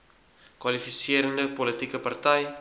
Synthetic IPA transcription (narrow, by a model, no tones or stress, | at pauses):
kwɐlifisiəɾəndəpɔlətikəpɐrtɛj